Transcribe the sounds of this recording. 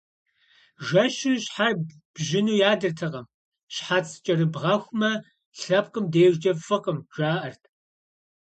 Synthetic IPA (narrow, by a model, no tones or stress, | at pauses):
ʒɐʃɪɕħar | b̥ʒɪnuːjaːdɨrtʰɐʁɐm | ɕħat͡sʰʼt͡ʃʼɐrɨbʁɑxʷmɐ | ɬɐp̚qʼəmdɐjɛʒd͡ʒɐfɐqəmʒ̥aːʔɐrtʰ